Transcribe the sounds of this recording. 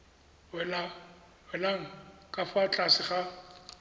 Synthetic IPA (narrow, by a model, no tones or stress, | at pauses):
ɛla | wɛlaŋ̩kʼafat͡ɬʼasɪχa